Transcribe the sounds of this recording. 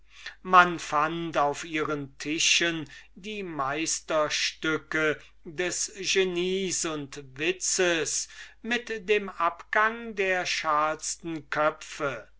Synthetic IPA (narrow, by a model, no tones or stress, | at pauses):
manfantaʊfiːʁəntʰɪʃəndiːmaɪstɐʃtʏkə | dɛsʒ̥eniːsʊntvɪsəsmɪtdeːmapɡ̥aŋdeːɐʃaɐstn̩kʰœfə